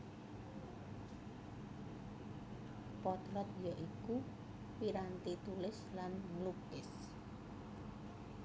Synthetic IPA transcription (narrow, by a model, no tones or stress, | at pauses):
pɔt̪ɾɔt̪̚jɔʔiku | piɾant̪it̪ulɪslanŋlupɪs